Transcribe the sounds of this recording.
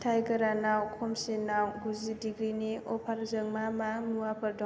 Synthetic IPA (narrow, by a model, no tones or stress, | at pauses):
tʰajɡɐɾanawkʰɔmsenawɡuzidiɡɾiniɔpʰaɾzɯŋmamamuabɐɾdɔ